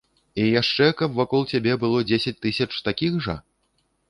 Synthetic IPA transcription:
ijaʂt͡ʂɛkɐpvakɔlˠt͡sʲabʲɛbɨlˠɔd͡zʲesʲɐt͡sʲt̪ɨsʲɐt͡ʂt̪akʲixʐɐ

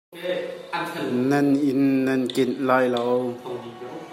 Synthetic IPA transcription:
nanɪnːɐnkɪnlaːjlaw

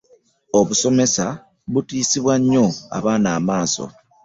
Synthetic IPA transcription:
oβuso̞me̞sa | βutiːsiβwaɲːo̞a̰βaːnaːmaːso̰

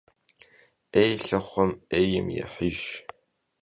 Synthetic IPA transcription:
eːjɬɐχʷɔmeːjɪmjɛ̰ħiʒ

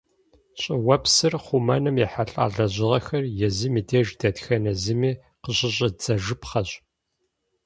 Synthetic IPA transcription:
ɕʼɪwɐpsɨrχʷumɐnɨmjɛħaɬʼa̰ːɮɐʑɪʁɐxɐrjɛzɨmiːdeːʒdɐtxɐnɐzɨmiː | qəɕʼɪɕʼɐd͡zɐʒɨpʰχɐɕʼ

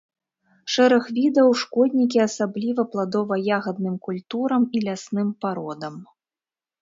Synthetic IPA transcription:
ʂɛɾɐxvʲid̪ɐwʂkɔd̪ʲnʲikʲiasablʲivɐplˠad̪ɔvɐjaɣɐd̪̚nɨmkulʲt̪uɾɐmilʲasnɨmpaɾɔd̪ɐm

